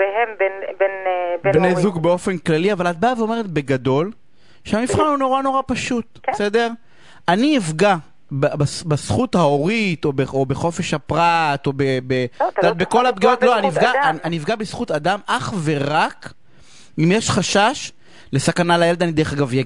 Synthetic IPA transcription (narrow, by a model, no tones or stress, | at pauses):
behembenbenbnejzuɡbeo̞fe̞nklaliavalat̪̚baveo̞meʁet̪̚be̞ɡad̪o̞l | ʃeamifχanhuno̞ʁano̞ʁapaʃut̪̚ | sed̪eʁ | aniːvɡa | babasbasχut̪hao̞ʁit̪o̞beobe̞χo̞fe̞ʃhapʁat̪o̞bebetd̪at̪̚beko̞lap̚ɡiot̪loanivɡaananiivɡabesχut̪ad̪amʔaχve̞ʁak | imjeʃχaʃaʃ | le̞sakanalajeled̪anid̪e̞eχaɡavjaɡ